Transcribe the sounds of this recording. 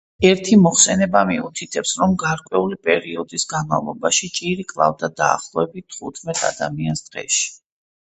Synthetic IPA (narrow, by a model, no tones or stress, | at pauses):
ɛɾt̪ʰimɔχsɛnɛbamiut̪ʰit̪ʰɛpsɾɔmɡaɾkʼwɛulipʼɛɾiɔd̪isɡanma̰vlˠɔbaʃit͡ʃʼiɾikʼlˠa̰vd̪ad̪a̰ːχlˠɔɛbit̪ʰːχut̪ʰmɛt̪ʰʼa̰d̪amiansd̪̥ʁɛ̰ʃi̥